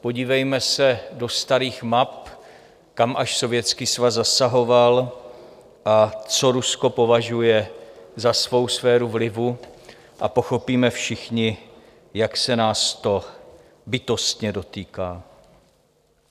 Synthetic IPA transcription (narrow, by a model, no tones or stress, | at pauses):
po̞ɟiːvɛjmɛsɛdo̞st̪aɾiːxmap̚ | kamʔaʃso̞vjɛt͡skiːsvazzasaɦo̞val | ʔat͡so̞ɾusko̞po̞vaʒujɛzasvo̞wsfɛːɾuvlɪvu | ʔa̰po̞xo̞piːmɛfʃɪxɲɪ | jaksɛnaːst̪o̞ | bɪt̪o̞st̪ɲɛdo̞t̪iːkaː